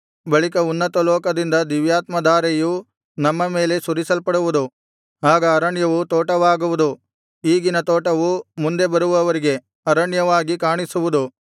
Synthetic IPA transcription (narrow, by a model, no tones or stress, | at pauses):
bɐɭikɐunːɐt̪ɐlɔːkɐd̪ind̪ɐd̪iʋjaːt̪mɐd̪aːɾeju | nɐmːɐme̞ːle̞suɾisɐlpɐɽuʋud̪u | aːɡɐːɾɐɳjɐʋut̪oːʈɐʋaːɡuʋud̪u | iːɡinɐt̪oːʈɐʋumund̪e̞bɐɾuʋɐʋɐɾiɡe̞ | ɐɾɐɳjɐʋaːɡikaːɳisuʋud̪u